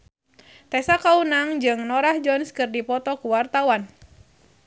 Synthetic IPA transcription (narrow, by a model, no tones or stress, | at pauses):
t̪ɛsakaunaŋd͡ʒɨŋnɔɾahd͡ʒɔnskɨrdipɔt̪ɔkuwart̪awan